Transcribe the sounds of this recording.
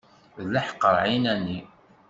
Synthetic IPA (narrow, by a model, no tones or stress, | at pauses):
ðlaħqːəɾˤʕinænːi